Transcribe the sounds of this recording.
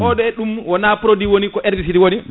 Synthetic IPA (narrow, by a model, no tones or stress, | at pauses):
ʔɔɗɛɗumwɔnapɾodiwonikɔʔɛɾdis̬itiwoni